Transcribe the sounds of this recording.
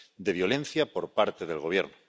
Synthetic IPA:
d̪e̞βjo̞lẽ̞n̟θjapo̞ɾpaɾt̪eðe̞lɣo̞β̞je̞̰ɾno

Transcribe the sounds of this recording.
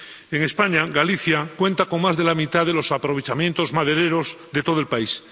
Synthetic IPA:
eŋe̞spaɲaɣaliθjakwẽ̞nt̪ako̞ŋmazðe̞lamit̪aðe̞lo̞sapɾo̞β̞et͡ʃamje̞nt̪o̞zmaðe̞ɾe̞ɾo̞zðe̞t̪o̞ð̞oelpais

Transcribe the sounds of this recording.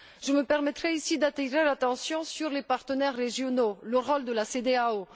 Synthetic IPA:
ʒ̥əməpɛʁmɛt̪χɛisid̪at̪iʁelat̪ɑ̃sjɔ̃syʁlepaʁt̪ənɛʁːeʒjɔnoləʁɔld̪əlased̪eao

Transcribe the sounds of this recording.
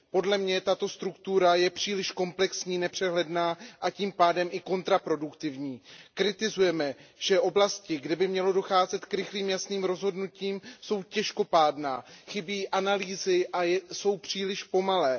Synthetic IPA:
po̞dlɛmɲɛt̪at̪o̞st̪ɾukt̪uɾajɛpr̝̥iːlɪʃko̞mplɛksɲiːnɛpr̝̥ɛɦlɛdnaːʔaciːmpaːdɛmʔɪko̞nt̪ɾapɾo̞dukt̪ɪvɲiːkɾɪt̪ɪzujɛmɛʒ̥ɛʔo̞blascɪɡdɛbɪmɲɛlo̞do̞xaːzɛt̪kɾɪxliːmjasniːmɾo̞zɦo̞dnuciːmso̞wcɛʃko̞paːdna̰ːxɪbiːʔanaliːzɪʔajso̞wpr̝̥iːlɪʃpo̞malɛː

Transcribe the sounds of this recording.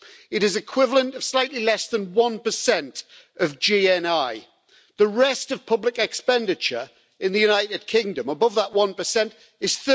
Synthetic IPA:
ɪɾɪzɪkʰw̥ɪvələ̃ntəv̥slaɪʔlilɛsðə̃nwʌ̃npəsɛ̃nt | əvd͡ʒiːɛ̃naɪ | ðəɹɛstəv̥pʰʊblɪkɛkspɛ̃ndɪt͡ʃəɹ | ɪ̃nðəjʉnaɪtɪd̚kʰɪ̃ŋdə̃məbʊvðəʔwʌ̃npəsɛ̃nt | ɪz̥θə

